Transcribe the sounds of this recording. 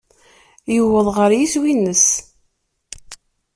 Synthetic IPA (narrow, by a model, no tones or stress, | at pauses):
jəwəðˤʁəɾjiswinːəs